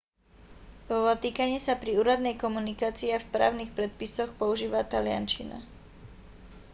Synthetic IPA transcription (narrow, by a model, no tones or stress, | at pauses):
ɔt̪iːkaɲɪɛsapɾiuːɾad̪nɛjkɔmunikaːt͡siafpɾa̰ːʊnixpɾɛt̪̚pisɔxpɔuʒiːʋat̪alɪa̰nt͡ʃina̰